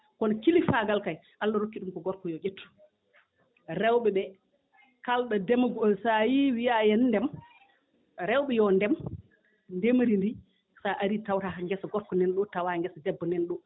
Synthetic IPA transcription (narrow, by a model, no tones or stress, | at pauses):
kɔnɔkilifaɡalkaj | ʔalːaɾokːiɗumkɔɡɔɾkɔjɔʔetːu̥ | ɾɛwɓɛɓɛ | kalɗadɛmɡɔsajiwijajɛnːdɛm | ɾɛwɓɛjɔndɛm | ndemɾindi | saʔaɾitawɾaŋɡɛsaɡɔɾkɔnɛnɗɔtawaŋɡɛsadɛbːɔnɛnɗɔ